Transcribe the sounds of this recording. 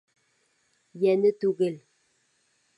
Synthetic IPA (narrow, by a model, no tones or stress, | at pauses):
jɛnət̪uɣel